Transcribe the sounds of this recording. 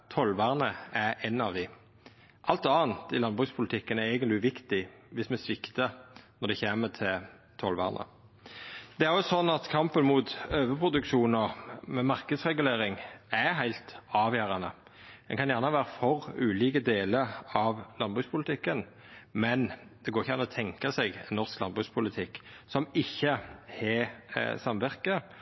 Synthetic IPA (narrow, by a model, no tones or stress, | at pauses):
t̪ʰɔlʋæːʁnəæɾɛnːɑʋd̪ɪ | ʔɑlt̪ɑːnt̪ɪlɑnbʁʉːkspʰʊlɪt̪ʰɪkːənæɾɛɪɡənt̪lɪʋɪkt̪ɪʋɪsmɛsʋɪkt̪ənɔʁd̪ɛçeːmət̪ʰɪl | t̪ʰɔlʋæ̰ːʁnʔə̰ | d̪ɛæɾɔsɔnːɑt̪kʰɑmpənmʊt̪øːʋəpʰɾʊd̪ʉkʃuːnəʁmɛmɑʁkəd̪sʁɛɡʉleːɾɪŋæɾɦæɪlt̪ɑːʋjæːɾɑnə | d̪ɛ̰nkʰɑnjæːʁnəʋæːɾəfɔʁʉːliːkəd̪eːləɾɑʋlɑnbʁʉkspʰʊlɪt̪ʰɪkːən | mɛnd̪̥ɛɡoːɾɪçəjænəɔt̪ʰɛŋkɑsɛɡɛ̰nːɔʁsklɑnbʁʉkspʰʊlɪt̪ʰɪkː | sɔmɪçːəhɛsɑmʋæʁkə